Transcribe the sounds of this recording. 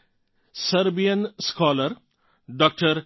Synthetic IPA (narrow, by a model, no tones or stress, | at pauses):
sɐɾbijənskɔːləɾ | ɖɔːk̚ʈəɾ